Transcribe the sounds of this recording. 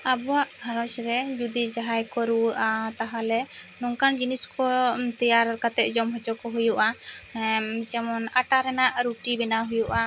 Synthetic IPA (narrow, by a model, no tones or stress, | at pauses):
abɔwaʔɡʱaɾɔt͡ʃɾɛd͡ʒud̪id͡ʒaɦajkɔɾuwəʔat̪aɦalɛnɔŋkand͡ʒiniskɔt̪ijaɾkat̪ɛt̪̚d͡ʒɔmɦɔt͡ʃɔkɔɦujuʔa | d͡ʒɛmɔnaʈaɾɛnaʔɾuʈibɛnaɦujuʔa